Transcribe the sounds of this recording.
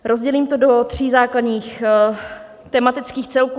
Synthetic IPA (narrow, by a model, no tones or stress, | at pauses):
ɾo̞zɟɛliːmt̪o̞do̞t̪r̝̥iːzaːkladɲiːx | t̪ɛmat̪ɪt͡skiːxt͡sɛlkː